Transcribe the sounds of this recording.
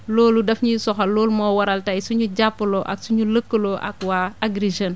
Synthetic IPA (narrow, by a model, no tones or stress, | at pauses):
lɔːludɐfɲusɔxɐlɔːlmɔːwɐɾɐltɐjsuɲuɟapːəlɔʔɐ̰ksuɲuləkːəlɔʔɐ̰k̚waːaɡɾiʒɐn